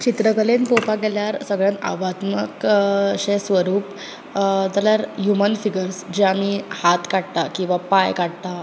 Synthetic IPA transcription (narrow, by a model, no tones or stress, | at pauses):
t͡ɕit̪ɾəkəlenpopaɡɛljaɾsəɡɭjãna̰ʋat̪məkɕesʋəɾuːp | t̪aljaɾjumənfiɡəɾsd͡ʑeamiːhat̪kaɽt̪akĩw̃ʋapajkaɽt̪a